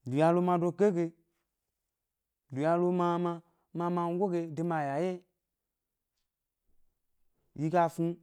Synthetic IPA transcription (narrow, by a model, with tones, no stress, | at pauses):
lu˨ja˧lo˧ma˧˦do˧ke˦ɡe˧ | lu˨ja˧lo˧ma˧ma˧ | ma˧ma˧n˦ɡʷo˦ɡe˧de˧ma˧˨ja˨je˦ | ji˧ɡa˧fu˧